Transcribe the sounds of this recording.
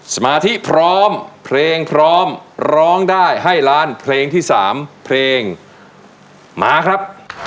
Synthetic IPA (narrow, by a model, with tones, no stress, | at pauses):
sa˧maː˧t̪ʰi˦˥pʰɾɔː˦˥mpʰleː˧ŋpʰɾɔː˦˥mɾɔː˦˥ŋdaː˥˩jɦa˥˩jɾaː˦˥npʰleː˧ŋt̪ʰiː˥˩sa̰ː˩˦mpʰleː˧ŋ | maː˧kʰɾa˦˥p̚